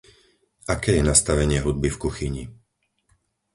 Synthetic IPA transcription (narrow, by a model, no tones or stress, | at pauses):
ʔakɛːjɛnast̪aʋɛɲɪɛɦud̪̚bifkuxiɲi